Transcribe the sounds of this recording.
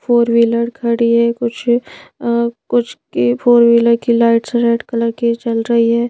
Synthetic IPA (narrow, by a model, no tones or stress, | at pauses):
pʰoːɾʋiləɽkʰɐɽiɦɛkʊt͡ʃʰ | kʊt͡ʃʰkipʰoːɾʋiləɖkilaːɪʈseɾeːʈkɐlakit͡ʃɐlɾɐɦiɦɛː